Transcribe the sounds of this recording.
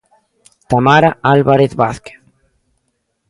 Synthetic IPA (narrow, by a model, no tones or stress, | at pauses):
t̪amaɾaalβaɾeθβaθke̥θ